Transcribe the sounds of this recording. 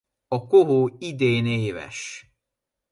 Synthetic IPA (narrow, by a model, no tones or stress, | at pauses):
ɒkoɦoːid̪eːneːvɛ̰ʃ